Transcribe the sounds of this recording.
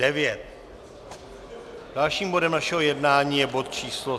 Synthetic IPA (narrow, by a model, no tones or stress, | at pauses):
ɛvɪjɛt̪̚ | d̥alʃiːmbo̞dɛmnaʃɛɦo̞jɛdnaːɲiːjɛbo̞t̪̚t͡ʃiːslo